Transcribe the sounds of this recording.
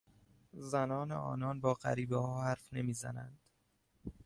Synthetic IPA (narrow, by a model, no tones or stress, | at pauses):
zænɒːneʔɒ̰ːnɒːnbɒːɢæ̰ɾiːbehɒːhæɾfne̞miːzæ̰nænd̪̥